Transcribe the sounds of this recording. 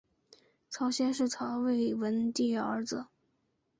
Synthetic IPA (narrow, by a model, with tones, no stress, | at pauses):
t͡sʰɑ˧˥ʊɕjɛ˥nʂɻ̩˥˩t͡sʰɑ˧˥ʊwe˥˩ɪwə˧˥nt̪i˥˧˥ə̰˞˧˥d͡zə˧